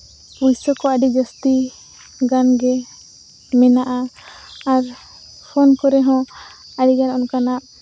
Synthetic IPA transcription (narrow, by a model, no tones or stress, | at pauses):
ujsɔkɔəɖid͡ʒəst̪i | ɡanɡɛ | mɛnaʔaː | ɾ | pʰɔnkɔɾɛɦɔ̃ | aɖiɡanɔnkanaʔ